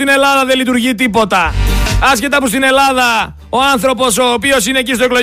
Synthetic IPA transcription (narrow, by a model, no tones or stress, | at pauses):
t̪ine̞lɐðɐðelit̪uɾʝit̪ipo̞t̪ɐɐsce̞t̪ɐpust̪ine̞lɐðɐ | o̞ɐnθɾo̞po̞so̞ːpio̞sine̞ːcist̪oeklo̞